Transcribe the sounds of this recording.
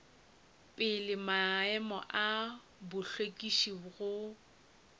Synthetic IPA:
pʼɪlɪmaɛmɔ̰ʔa | bʊɬekʼiʃiɣʊ

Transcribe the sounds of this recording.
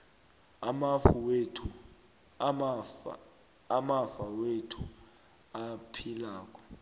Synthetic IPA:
amafuwetʰu | amafawetʰu | apʰilaːkʼɔ̥

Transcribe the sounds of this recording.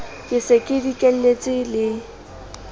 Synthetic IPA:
kʼɪsekʼɪdikʼel̩let͡sʼɪlɪ

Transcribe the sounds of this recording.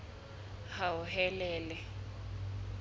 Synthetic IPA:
haʊɦɛlɛːlɛ

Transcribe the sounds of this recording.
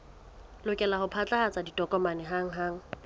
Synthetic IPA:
lʊkʼɛlahʊpʰat͡ɬʼahat͡sʼaditʼɔkʼɔmanɛɦaŋ̩ɦaːŋ̩

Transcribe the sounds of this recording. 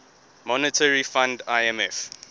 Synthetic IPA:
mɔnətʰəɹifãndaɪɛmɛf

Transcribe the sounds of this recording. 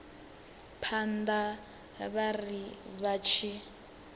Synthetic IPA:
pʰanda | βariβat͡ʃʰi

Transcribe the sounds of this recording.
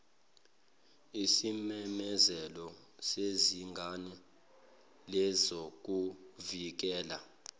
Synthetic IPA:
isimɛmɛzɛlɔ | seziŋɡʱanɛ | lɛzok̬ʼuvik̬ɛːla

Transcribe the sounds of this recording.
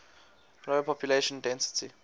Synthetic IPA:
rɔɛpʰɔpʰjuleʃɔ̃ndɛ̃nsi̥tʰi

